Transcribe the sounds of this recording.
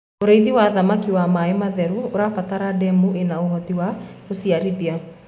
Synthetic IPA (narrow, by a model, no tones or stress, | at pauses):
oɾaiðiwaðamakiwamaemaðɛɾuoɾafataɾadɛmuenaoɦɔðiwaosiaɾiðia